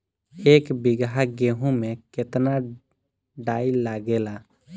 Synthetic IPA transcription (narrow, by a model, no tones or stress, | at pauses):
eːkbɪɡɦaɡeɦũmẽkɪt̪na | ɖaːilaɡela